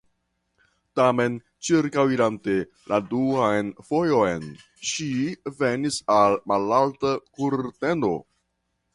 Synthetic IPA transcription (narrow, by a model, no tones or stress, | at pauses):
tame̞n | t͡ʃiɾkawiɾante̞ | lʔaduajnfo̞jo̞jn | ʃive̞nisalmalaltakuɾte̞no̞̰